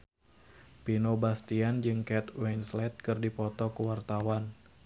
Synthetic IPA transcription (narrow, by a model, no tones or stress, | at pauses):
pinobast̪iand͡ʒɨŋkɛt̪wɛnslɛt̪̚kɨrdipɔt̪ɔkəwart̪awan